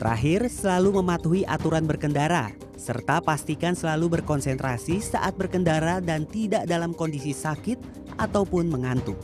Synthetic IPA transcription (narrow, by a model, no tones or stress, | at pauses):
t̪əɾʔa̰ɦɪrsəlaluməmat̪uɦiʔat̪uɾanbərkəndaɾa̰ | sə̰rt̪apast̪ikansəlalubərkɔnsɛnt̪ɾasisa̰ʔat̪̚bərkəndaɾadant̪idaʔdalamkɔndisisakɪt̪̚ | ʔat̪awpʊnməŋant̪u